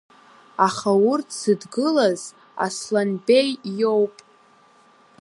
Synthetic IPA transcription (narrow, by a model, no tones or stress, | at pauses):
aχawʊrtʰsɨdɡɨlaz | a̰slanbe̞jːo̞wpʼ